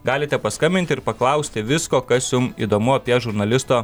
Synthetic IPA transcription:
ɡɑːlʲɪt̪ʲɛpɐskɐmʲbʲɪnt̪ʲɪɾpɐklˠɐʊsʲt̪ʲɪʋʲɪskoːkɐsjʊmḭd̪oːmʊɐpʲiɛʒʊɾnɐlʲɪst̪oː

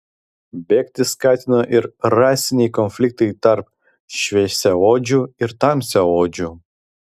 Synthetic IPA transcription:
bʲɛːkʲt̪ʲɪskɑːt̪ʲɪnoʔɪɾɾɑːsʲɪnʲɛjkɔnfʲlʲɪk̚t̪ɐɪt̪ɐɾp | ʃʲʋʲɛɛsʲɛoːd͡ʒʲuɪɾt̪ɑmʲsʲɛoːd͡ʒʲu

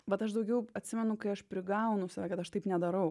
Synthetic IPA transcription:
ʋɐt̪ɐʃd̪ɐʊɡʲɛʊɐt̪ʲsʲɪmʲɛnʊkɐɪɐʃpʲɾʲɪɡɐʊnʊsɐʋʲæˑkɐt̪ɐʃt̪ɐɪpnʲɛd̪ɐɾɐʊ

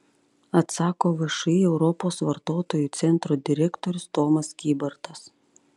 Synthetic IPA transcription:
ɐt̪sɑːkoːʋɐʃɐɛʊɾɔpoːsʋɐɾt̪oːt̪oːjuːˑt̪sʲɛnt̪ɾoːd̪ʲɪɾʲɛkt̪oːɾʲʊst̪ɔːmɐskʲiːbɐɾt̪ɐs

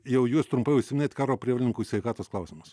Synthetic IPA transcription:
jɛwjuɔst̪ɾumpɐjusʲmʲnʲɛt̪ʲkɑːɾoːpʲɾʲiɛʋʲlʲɪŋkusʲɛɪkɑːt̪oɔsklˠɑʊsʲimus

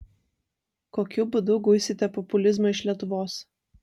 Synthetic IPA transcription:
koːkʲʊbʊd̪ʊɡʊɪsʲɪt̪ʲɛpɔpʊlʲɪzmɐɪʃʲlʲiɛt̪ʊʋoːs

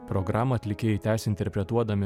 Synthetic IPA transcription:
pɾɔɡɾɑːmɐɐːt̪ʲlʲɪkʲeːjɪt̪ʲæːsʲɛɪnʲt̪ʲɛɾʲpʲɾʲɛt̪uɔd̪ɐmʲɪ

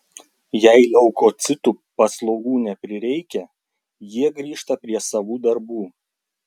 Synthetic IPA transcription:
jæɪlʲɛʊkot̪sʲɪt̪uːpɐslˠɔʊɡuːnʲɛpʲɾʲɪɾʲɛɪkʲɛ | jiɛɡɾʲiːʃt̪ɐpʲɾʲiɛsɐʋuːd̪ɐɾbuː

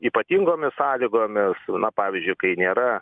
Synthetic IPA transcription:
iːpɐt̪ʲiːŋɡoːmʲɪssɑːlʲiːɡoːmʲɪsnɐpɑːʋʲizʲd͡ʒʲʊɪkɐɪnʲeːɾɐ

